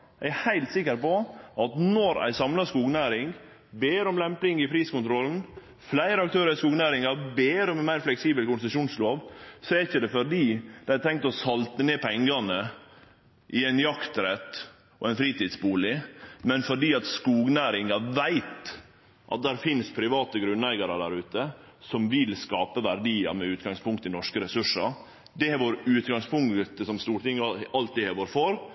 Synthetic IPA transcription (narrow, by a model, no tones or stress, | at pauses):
æɪæɾhæɪlt̪sɪkːəɾpɔʔɑt̪nɔɾæ̰ɪsɑmlɑskuːɡnæːɾɪŋ | beːɾɔmlɛmplɪŋɪpʰɾiːskʊnt̪ʰɾɔln̩ | flæɪɾəɑkt̪ʰøːɾəɾɪskuːɡnæːɾɪŋɑbeːɾɔmɛnmæɪɾflɛksiːbəlkʊnsəʂuːnsloːʋsɔæɾɪçəd̪ɛfɔɖiːd̪̥ɛɪɾt̪ʰɛŋk̚t̪ɔsɑlt̪əneːpʰɛŋɡɑnə | ʔɪæɪnjɑkt̪ɾɛt̪ː | ɔɛɪnfɾiːt̪iːd̪sbuːlɪmɛnfɔɖiːɑt̪skuːɡnæːɾɪŋɑʋæɪt̪ | ʔɑ̰t̪̚d̪æɾfɪnspʰɾɪʋɑːt̪əɡɾʉnːlæɪɡɑɾəd̪æɾʉːt̪ə | sɔmʋɪlskɑːpəʋæɾɖ̪iːɑ̰mɛʉːt̪ɡɑŋspʰʊŋkt̪ɪnɔʂkəɾɛsʉʂɑɾ | d̪ɛɛʋoːɾʉːt̪ɡɑŋspʰʊŋt̪əsɔmst̪uːʈɪŋːɑlt̪ɪhɛʋoːɾfɔɾ